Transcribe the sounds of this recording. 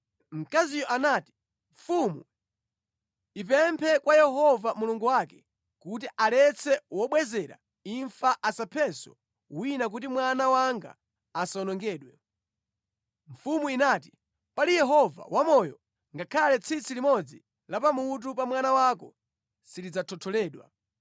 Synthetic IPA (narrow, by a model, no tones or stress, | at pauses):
m̩kazijɔʔanaːti̥ | ɱfumu | ip̬ɛmpʰɛkwajɛɦɔvamuluŋɡuwakɛ | kut̬iʔalɛt͡sʰɛwɔɓwɛzɛɾa̰ | iɱfaʔasapʰɛsɔ̰ | winak̬ut̬imwanawaŋɡa̰ː | saɔnɔŋɡɛːɗwɛ | ɱfumuinaːti | palijɛɦɔva̰wamɔjɔ̰ | ŋɡakʰalɛt͡sʰit͡silimɔd͡zi | lapamut̬upamwanawakɔ | silid͡zatʰɔtʰɔlɛːɗwa̰